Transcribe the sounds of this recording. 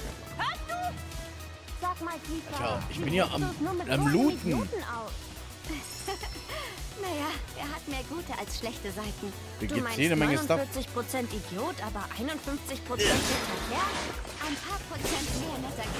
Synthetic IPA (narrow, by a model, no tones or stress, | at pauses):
hasd̥uː | z̥aːkmaːlpʰiːfɐaʔɪçb̥ɪnjaʔa̰mʊnsnuːɐmɪtamluːitn̩uːtn̩ʔaʊf | najaːʔeːɐɦatmeːɐɡuːtəʔalsʃlɛçtəzaɪtn̩̥ː | ɡ̥duːmaɪnjeeːdəmɛŋəʊsntɪɐt͡sɪçpʁ̥ot͡sɛntidjoːtʔaːbɐʔaɪnʊntfʏnft͡sɪçpʁ̥ot͡sɛntɪtɛkʰlɛːɐtʔaɪnpʰaːɐpʁ̥ot͡sɛntmeːɐnɛsɐk